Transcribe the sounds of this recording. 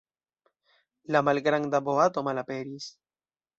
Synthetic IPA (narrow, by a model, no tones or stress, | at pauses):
lamalɡɾaŋd̪aboat̪omalapeɾis